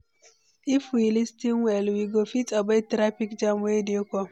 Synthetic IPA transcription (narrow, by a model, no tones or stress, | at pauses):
ifwilistiŋwelwiɡofitabetɾapikd͡ʒamwediokʷɔ